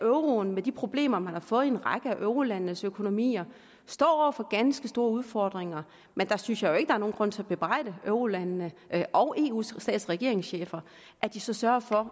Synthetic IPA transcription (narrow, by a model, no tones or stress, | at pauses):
øʊʁo̝nmed̥ipʰʁo̝b̥le̝̰ːmɐmænhɑ̈fɔ̽ːð̞̩ˠe̝nʁɑ̈ɡ̥əæʔøʊʁo̝lænənəsøkʰo̝no̝mḭːɐ | sd̥ɒ̰ːɒʊɐfɒ̽ɡ̥ænsɡ̥əsd̥o̝ːɐuð̞ˠfɒːd̥ʁeŋɐ | mend̥ɑ̈synsjɑ̈ɪjo̝e̝ɡ̥d̥ɑ̈æɐno̝ːnɡ̥ʁɔ̽n̰t͡sʰe̝læb̥e̝b̥ʁɑɪ̰d̥əʔøʊʁo̝lænːəʔɒʊʔe̝̰ːṵːsɛ̰ːd̥sʁɛɡ̥e̝ɐe̝ŋsɕḛːfɐ | ʔæɐd̥isɒ̽sɶɐfɒ̽